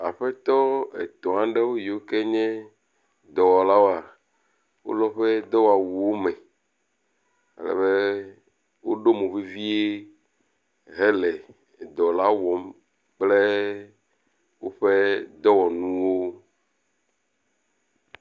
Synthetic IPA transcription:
a˨ɸɛ˦t̪ɔ˦ḛ˨t̪ɔ̃˨ã˨˦ɖɛ˦wo˦ji˨wo˦kɛ˦ɲɛ̃˦ | d̪ɔ˨wɔ˨la˦wo˦a˨ | wo̰˦lɔ˦ɸɛ˦d̪ɔ˦wo˦a˨wu˨wo˦mɛ̃˨ | ɛ̰˦lɛ̰˨βɛ˦ | wo˦ɖo˦mũ˨vi˦vi˦e˦ | ɦɛ˦lɛ˨ | d̪ɔ˨la˦wɔ˨m | k͡plɛ˦ | wo˦ɸe˦d̪ɔ˦wɔ˨nũ˦wo˦

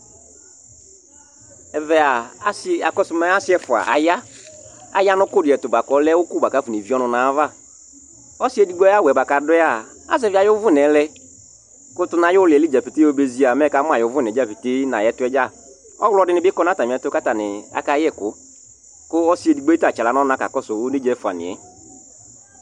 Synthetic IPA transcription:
ɛ˨vɛ˨a˨˦sa˨kɔ˦sʊ˦mɛ˦a˦sɪ˦ɛ˦fʊ˨a̰˨ʔa̰˨ja˦ | a̰˨ja˦nʊ˦kʊ˦dʊ˨ɛ˨tʊ˨ba˨kɔ˨˦lɛ˦wʊ˦kʊ˦ba˨ka˨˦fu˨ne˨vi˦ɔ˦nʊ̃˨nã˨˦va˦˨ | ɔ˦si˦ɛ˦di˦ɡ͡bɔ˦a˦wɛ˨ba˨ka˨dʊ˦a˨ | a̰˦˨zɛ˦vɪ˦a˨jʊ˦vʊ˦nɛ˨˦lɛ˦ | kʊ˦tʊ˦nã˨jʊ˦lɪ˨ɛ˨li˦d͡ʒa˨pi˨te˦o˦be˨zi˨˦a˨mɛ˦ka˦m˦a˨jʊ˨˦vʊ˦nɛ˨d͡ʒa˦˨pi˨te˦na˨jɛ˦tʊ˦ɛ˦d͡ʒa˦˨ | ɔ̰˦wlɔ˦dɪ˦nɪ˦bɪ˦kɔ˦na˦ta˨mĩ˨ɛ˨˦tʊ˦ka˦ta˨nɪ̰˨a̰˦ka˦jɛ˦˨kʊ˦ | kʊ˦ɔ˦si˦ɛ˨di˨ɡ͡bɔ˦ta˨t͡ʃa˨la˨˦nɔ˦nã˦ka̰˨kɔ˦sʊ˨ʊ˦ne˦d͡ʒɛ˨˦fʊ˨a̰˨nɪ̰˨ɛ̰˨

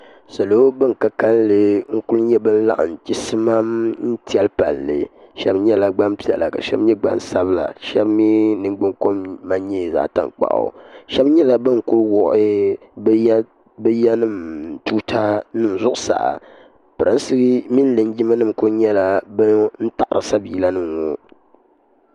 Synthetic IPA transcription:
sa˨lo˦bɨ˦ŋ˨ka˦ka˦llɨ˨ŋ̩˦ku˦lɲɛ˦bɨ˦n̩˦la̰˦ʔɨ̰˨n˨t͡ʃi˦sɨ˦ma˦mn̩˦ti˦ɛ˦lpa̰˨lːɨ̰˨ʃɛ˦bɲɛ˦la˨ɡ͡ba˦mpi˦ɛ̰˨la˨ka̰˨ʃɛ̰˦bɲɛ˦ɡ͡ba̰˦n˨sa˦bla̰˨ʃɛ˦bmi˦nɨ˨ŋ͡mɡ͡bɨ˦ŋko˦mma˦ɲeː˦˨za̰˨ta̰˨ŋk͡pa̰˨ʔo̰˨ʃɛ˦bɲɛ˦la˦bɨ˦ŋ˨kʊ˦ɾwɔ˨ʔɪ˦ | bɨ˦jɛ˦nɨ˦m˨tu˦tʰa˦nɨ˦n̩˨zʊ˦ʔʊ˨sa̰˨ʔa̰˨ | pɨ˨ɾɨ˨˦n˦sɨ˦ɡmi˦n˦lɨ˨n˦d͡ʒi˦ma˦nɨ˦˨mkʊ˦ɲɛ˦la˨bɨ˦n̩˦ta˨ʔɾɨ˨sa˦biː˨la˦nɨ˦ŋ˨ŋo˨

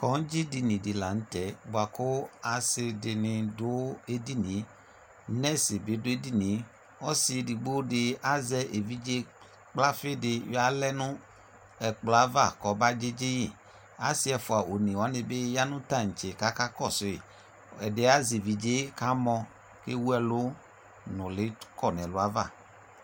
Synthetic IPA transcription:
kɔ˨˦n̩˦d͡ʒi˦di˧nĩ˨di˨la˨n̩˦tɛ˨˦ɡ͡ba˨ko˦a˨sɪ˧de˧nɪ̃˧do˦e˦di˦nĩ˨˦ | nɛ˦si˨be˨˦dʊ˦e˦di˦nĩ˨˦ | ɔ˦si˧˨di˨ɡ͡bo˦dɪ˧a˦zɛ˧ʔe˨vi˦d͡ʒe˦ | k͡pla˦fe˦˨de˧ja˦lɛ˦nũ˦ | ɛ˨k͡pla˨˦va˦˨kɔ˨˦ba˦d͡ʒe˦d͡ʒe˦ji˦˨ | a˨˦si˦ɛ˨fʊ˨a˨ʔo˨nĩ˨wa˨˦nɪ̃˧be˦ja˦nʊ̃˦ta˦˨ŋ̩˨t͡ʃe˨ka˦ka˦kɔ˦˨sʊ˨˦e˨ | ɛ˨de˨˦a˦zi˨vi˨d͡ʒe˦ka˨˦mɔ̃˧ | ke˦wu˦ɛ˦lʊ˦ | nʊ̃˨lɪ˨˦kɔ˦˨nɛ̃˨lʊ˨˦a˦va̰˦˨

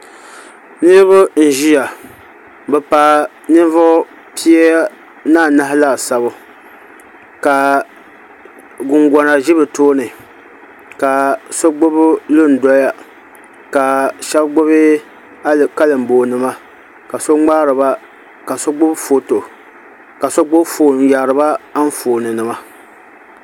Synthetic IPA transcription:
nɨ˦ɾɨ˦βʊ˦n̩˨ʒi˦ja˨ | bɛ˨paː˨ | nɨ˦n˦vʊ˦ʔʊ˦ | pi˦ɛ˦ | naː˦˨na˦hɪ˦la˦˨sa˨βʊ˦ | ka˨ | ɡʊ˨ŋɡɔ˨na˨ʒɪ˦bɨ˨toː˦nɨ˨ | ka˨so˦ɡ͡bʊ˦bʊ˦lɨ˦n̩˨˦dɔ˦ja˦ | ka˨ʃɛ˦bɡ͡bʊ˦βɪ˦˨ | ka˦lɨ˨m̩˨boː˨nɨ˦ma˦ | ka˨so˦ŋ͡maː˦ɾɨ˨ba˦ | ka˨so˦ɡ͡bʊ˦bfo˨to˨ | ka˨so˦ɡ͡bʊ˦bfoː˨ja˨ɾɨ˨ba˦a˦n˦foː˨nɨ˨nɨ˨ma˦

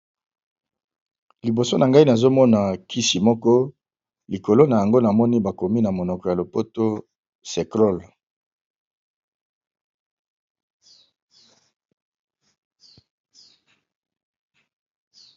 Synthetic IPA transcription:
li˨bo˨so˦na˨ŋɡa˦i˦na˨zo˦mɔ˦na˨kʰi˦si˨mɔ˦kɔ˦ | li˨ko˨lo˦na˨ja˨ŋɡo˦na˨mɔ˦ni˦ba˨ko˨mi˦na˨mo˨nɔ˨kɔ˨ja˨lo˨po˦to˦ | se˨kʁɔ˦˨l

